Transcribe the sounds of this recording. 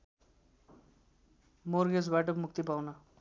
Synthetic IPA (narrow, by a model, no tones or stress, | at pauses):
morɡed͡zbaʈ̬ʌmuk̚t̪ipawnʌ